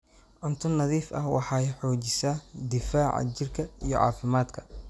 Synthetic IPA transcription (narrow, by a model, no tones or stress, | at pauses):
ʔʊnt̪ʰʊnɐðiːfʔɐ̰hwɑħɑjħɔːt͡ʃɪsaːd̪ɪfaːʕɑ̰t͡ʃɪrkʰɐijɞʕɑ̰ːfɪmaːd̪kʰɐ